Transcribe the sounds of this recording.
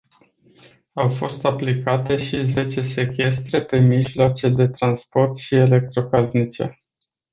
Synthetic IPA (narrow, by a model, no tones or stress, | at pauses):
awfo̞st̪aplikat̪e̞ʃize̞t͡ʃe̞se̞kʲe̞st̪ɾe̞pe̞miʒloat͡ʃe̞d̪e̞t̪ɾanspo̞rt̪ʃie̞le̞k̚t̪ɾo̞kaznit͡ʃe̞̰